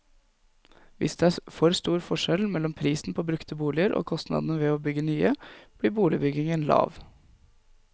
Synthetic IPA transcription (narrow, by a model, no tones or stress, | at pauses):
ʋɪ̰sd̪ɛæfɔɾst̪uːɾfɔʂɛlmɛlːɔmpʰɾiːsn̩pʰoːbɾʉkt̪əbuːlɪəɾʔo̰ːkʰɔst̪nɑ̰d̪nəʋɛoːbʏɡənyːəb̥ɽiːbuːlɪbʏɡɪŋənlɑ̰ːʋ